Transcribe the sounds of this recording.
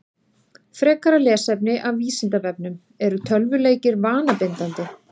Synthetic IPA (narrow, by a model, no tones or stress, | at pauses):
fɾɛːkaɾalɛːsɛpnɪʔavviːsɪnt̪avɛp̚nʏm | ɛɾʏt̪ʰœlvʏleːjcɪɾvaːnapɪnt̪ant̪ɪ